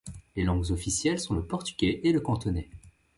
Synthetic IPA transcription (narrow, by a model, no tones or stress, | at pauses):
lelɑ̃ɡzɔfisjɛlsɔ̃ləpɔʁt̪y̥ɡʲɛʔeləkɑ̃t̪ɔnɛ